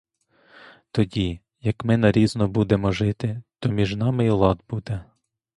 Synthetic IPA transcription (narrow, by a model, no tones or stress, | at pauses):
t̪ɔdʲi | jɐkmɪnɐɾʲiznɔbud̪emɔʒɪt̪ɪt̪ɔmʲiʒnɑmɪilˠɑd̪bud̪ɛ